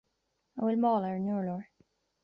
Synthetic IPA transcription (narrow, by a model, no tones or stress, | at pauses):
aɪwɪlmɔlənuɹlɔɹ